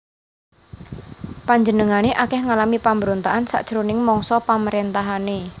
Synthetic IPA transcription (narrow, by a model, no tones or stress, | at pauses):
paɲd͡ʒənəŋaneʔakɛhŋalamipambəɾont̪aʔansa̰ʔd̥ʒ̥ɾunɪŋmɔŋsɔpaməɾent̪aɦane